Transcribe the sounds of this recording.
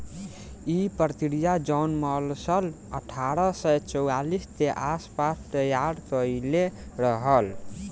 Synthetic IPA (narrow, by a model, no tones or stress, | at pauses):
ipɾt̪iɾijad͡ʒɔnməlsəl | əʈʰaɾəsəjt͡ʃɔwalist̪eʔaspast̪əjaɾkəileɾəɦəl